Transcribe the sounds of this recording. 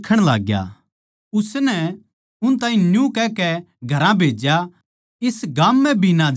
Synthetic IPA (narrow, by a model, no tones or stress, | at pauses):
kʰəɽ̃la̰ːɡja̰ | ʊsnɛ | ʊnt̪ãːɦĩnjũkɛːkɛ | ɡʱɐɾãbʱeːd͡ʒja | ɪsɡaːmːɛ̃bʱinãd͡ʒ